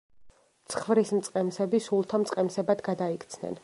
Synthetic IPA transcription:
t̪sʰχvɾismt̪sʼqʼɛmsɛbisulˠt̪ʰamt̪sʼqʼɛmsɛbad̪ɡad̪aikʰt̪sʰnɛ̰n

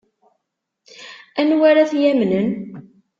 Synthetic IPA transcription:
ænwaɾaθjæmnən

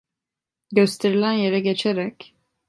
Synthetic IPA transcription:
ɟøst̪ʰeɾilʲænje̞ɾɛɟet͡ʃʰeɾɛc

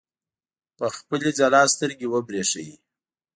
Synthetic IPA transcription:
pəxpəled͡zalɑst̪əɾɡewəbɾeʂa̰ji

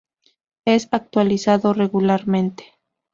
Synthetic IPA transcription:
esak̚t̪walisaðoreɣulaɾmẽnt̪e̥

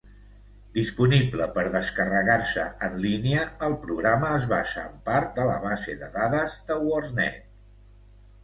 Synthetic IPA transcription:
d̪ispunibləpəɾðəskərəɣaɾsəənliniəəlˠpɾuɣɾaməːzβaʃa̰əmpaɾt̪̚d̪ələβazḛðəðaðəzd̪əwornɛ̰t̪̚

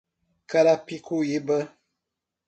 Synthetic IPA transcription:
kaɾapikujebə

